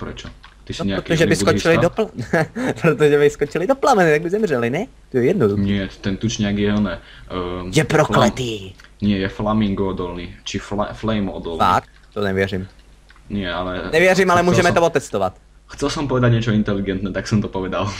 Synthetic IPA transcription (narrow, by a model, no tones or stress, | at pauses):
pɾɛt͡ʃɔt̪isɲɛakiʒɛbiskɔilid̪ɔplapɾot̪oʒɛbɪskɔt͡ʃilid̪oplamɛnit̪aɡbizɛmrɛlinɛ | t̪ɔjɛjɛd̪nɔd̪uɲxɪɛt̪ɛnt̪ut͡ʃɲɛaɡiɛɔnɛ | jɛpɾɔklɛiːɲɪɛjɛflamiŋɡɔd̪ɔlnit͡ʃifflɛjmɔ̰d̪ɔlfa̰k̚ | t̪onɛʋjɛɾim | nɪɛalɛnɛʋɪɛrimalɛmuːʒɛmɛt̪oɔt̪ɛst̪ɔʋa̰t̪ | xt͡sɛlsɔmpɔʋɛd̪aɟɲɛt͡ʃɔint̪ɛliɡɛnt̪nɛt̪aksɔmt̪ɔpɔʋɛd̪al